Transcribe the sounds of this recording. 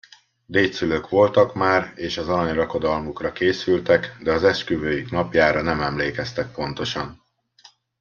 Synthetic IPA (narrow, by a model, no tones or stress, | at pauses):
d̪eːt̪syløːkʋo̞lt̪ɒkmaːreːʃɒzɒɾɒɲrɒko̞d̪ɒlmukrɒkeːsylt̪ɛkd̪ɛɒzɛʃkyvøːjiknɒpjaːɾɒnɛmɛmleːkɛst̪ɛk̚po̞nt̪o̞ʃɒn